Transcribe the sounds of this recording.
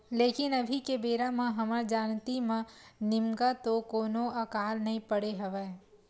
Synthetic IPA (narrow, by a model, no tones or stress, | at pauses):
leːkɪnɐbʱikebeːɾamãɦɐməɾd͡ʒaːnt̪imãnɪmɡat̪okoːnoɐkaːlnɐɦĩpəɽeɦɐʋɛː